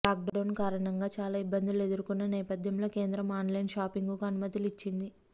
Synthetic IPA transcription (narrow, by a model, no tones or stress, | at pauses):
laːk̚ɖɖɐwnkaːɾɐɳɐŋɡaːt͡ʃaːlaːibːɐnd̪ilue̞d̪uɾukunːɐnɛːpɐd̪ʱjɐmlo̞ːke̞ːnd̪ɾɐmaːnlɐjnʃaːpiŋɡukaɐnumɐd̪ɐlit͡ʃːind̪i